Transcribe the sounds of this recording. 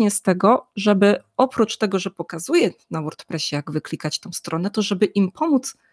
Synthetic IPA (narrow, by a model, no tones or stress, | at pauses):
ɲɛst̪ɛɡɔʐɛbɘɔpɾut͡ʂt̪ɛɡɔʐɛpɔkazujɛnawɔɾt̪pɾɛɕɛjaɡvɘklʲikat͡ɕt̪ɔ̃w̃st̪ɾʔɔnɛt̪ɔʐɛbɘʔimpʰɔmut̪s